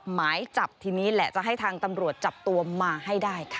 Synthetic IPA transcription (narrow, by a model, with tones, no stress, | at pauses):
p̚maː˩˦jt͡ɕa˨˩p̚t̪ʰiː˧niː˦˥lɛ˨˩t͡ɕa˨˩ʔɦa˥˩jt̪ʰaː˧ŋt̪a˧mɾu˨˩ət̪̚t͡ɕa˨˩p̚t̪u˧ɐmaː˧ha˥˩jdaː˥˩jkʰḁ˦˩